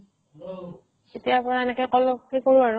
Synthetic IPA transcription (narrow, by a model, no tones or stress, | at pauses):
etijapɔɹaenɛkɛkɔlɔkekoɹuaɹ